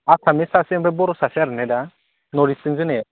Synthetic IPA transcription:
akʰamɪsasɛmbɛbɔɾʊsasaɾnɛda | nɔɾisind͡ʒinɛ

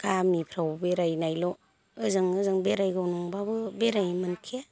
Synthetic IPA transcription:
kamipʰɾawbeɾajnajlɔ | ɯzɯŋɯzɯŋbeɾajɡawnɔŋbabɯbeɾajmɯnkʰia

